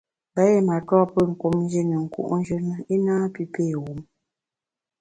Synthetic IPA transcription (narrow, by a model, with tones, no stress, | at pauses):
ba˦e˦˨ma˨twɔ˦˨pə˦˨ŋ̩˨ko˨mn˦d͡ʒi˦nə˨ŋ̩˨kṵ˦˨ʔn̩˦d͡ʒə˦nə˦i˦naː˦pi˦peː˦˨ɣu˨˦m